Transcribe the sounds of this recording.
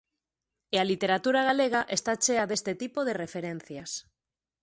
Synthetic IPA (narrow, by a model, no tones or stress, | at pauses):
ealit̪eɾat̪uɾaɣ̞aleɣaʔest̪at͡ʃeaðe̞st̪et̪ipoð̞erefeɾen̟θjas